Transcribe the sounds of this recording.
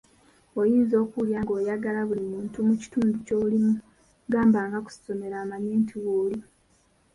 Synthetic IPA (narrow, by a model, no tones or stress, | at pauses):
ojiːnzo̞ːkuljaːŋɡo̞ːjaɡalaβulimuːntumuci̥tuːnducoːβulimu | ɡaːmbaːŋɡaku̥si̥so̞me̞ɾaːmaɲeːntʰiwoli